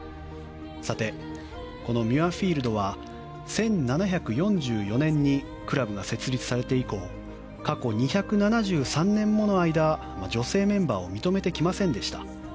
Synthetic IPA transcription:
sat̪e̞ | ko̞no̞mʲɯaɸʲiːɾɯ̟d̪o̞βa | sẽ̞nnanaçʲakɯ̟jõ̞ɲd͡ʑɨːjo̞nẽ̞ɲ̟ːi | kɯ̟ɾabɯ̟ɡase̞t͡sɨɾʲit͡sɨ̥saɾe̞t̪e̞iko̞ː | kako̞ɲ̟içakɯ̟nanaʑɨːsãnːẽ̞mːo̞no̞aid̪a | mad͡ʑo̞se̞ːmẽ̞mbaːo̞mʲit̪o̞me̞t̪e̞kʲimasẽ̞nd̪e̞ɕi̥t̪ḁ

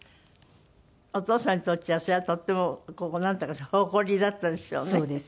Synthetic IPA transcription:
ot̪o̞ːsãɲ̟ːit̪ott͡ɕːiaseat̪o̞t̪ːe̞mokonãnt̪akahoko̞ɾʲid̪at̪ːad̪eɕo̰ːnseːd̪es

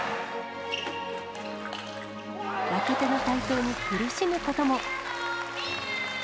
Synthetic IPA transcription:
βake̞t̪e̞no̞t̪ait̪o̞ːɲ̟ikɯ̟ɾɯ̟ɕimɯ̟ko̞t̪o̞mo̞

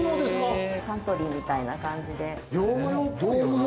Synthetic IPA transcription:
nod̪eskkãnt̪o̞ɾʲimʲit̪ainakãɲ̟d͡ʑid̪e̞ | jod̪o

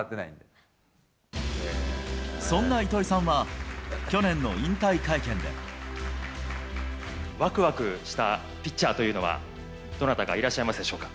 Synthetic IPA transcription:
t̪ːe̞naḭ̃nd̪e | sõ̞nːait̪o̞ɾisãɰ̃βa | o̞nẽ̞nːo̞ĩnt̪aikaikẽ̞nd̪e̞̰ | βakɯ̟βakɯ̟ɕi̥t̪a | pʲitt͡ɕːaːt̪o̞jɯ̟ːno̞βa̰ | d̪o̞nat̪aɡa̰iɾaɕːaimasɨd̪e̞ɕo̞ːkḁ

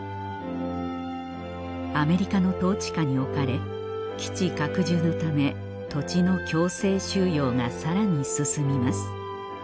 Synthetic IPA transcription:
ame̞ɾʲikano̞t̪o̞ːt͡ɕi̥kaɲ̟io̞kaɾe̞ | kʲi̥t͡ɕikakɯ̟ʑɨːno̞t̪ame̞ | t̪o̞t͡ɕino̞kʲo̞ːse̞ːɕɨːjo̞ːŋasaɾaɲ̟isɨsɨmʲimasɨ̥

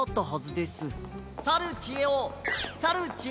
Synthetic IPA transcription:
ot̪ːoɦozɨd̪e̞sɨ | saɾɯ̟t͡ɕieosaɾɯt͡ɕi

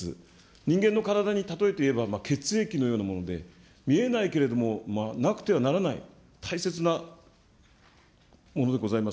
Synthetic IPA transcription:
ɨ̰ | ɲ̟ĩŋɡe̞nːo̞kaɾad̪aɲ̟it̪at̪o̞e̞t̪e̞ie̞bamake̞t͡sɨe̞kʲino̞jo̞ːnamo̞no̞d̪e̞ | mʲie̞naike̞ɾe̞d̪o̞mo̞manakɯ̟̥t̪e̞β̞anaɾanaḭ | t̪ʰaise̞t͡sɨna | mo̞no̞d̪e̞ɡo̞zaimas

